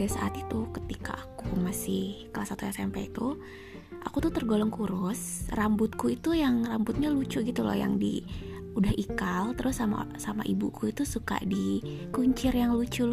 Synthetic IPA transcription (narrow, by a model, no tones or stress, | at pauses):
asaʔat̪it̪ukət̪ika̰ːkumasɪhkəlahsat̪ujaŋsampa̰it̪u | ʔakut̪ut̪ərɡolɔŋkuɾʊs | rambʊt̪̚kuit̪ujaŋrambʊt̪̚ɲalut͡ʃuɡit̪ulɔ̰ja̰ŋdḭ | udahikalt̪əɾʊsama̰sama̰ʔibukʰuit̪usuka̰dikuɲt͡ʃɪrjaŋlut͡ʃul